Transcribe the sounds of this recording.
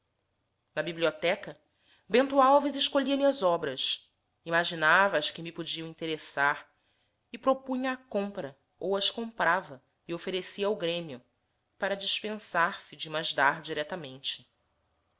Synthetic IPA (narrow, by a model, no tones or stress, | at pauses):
nɐbibliot̪ɛkɐ | bẽnt̪uawvizɪʃkoʎiɐmiɐzɔbɾɐs | imaʒinavɐskɪmɪpod͡ʒiɐ̃w̃ĩnt̪eɾesaɾ | ɪpɾopũɲɐːkõmpɾɐ | owɐʃkõmpɾavɐ | iofeɾesiɐwɡɾẽmijʊ | paɾɐd͡ʒiʃpẽsaɾsɪd͡ʒɪmaʒd̪aɾd͡ʒiɾɛt̪ɐmẽnt͡ʃɪ̥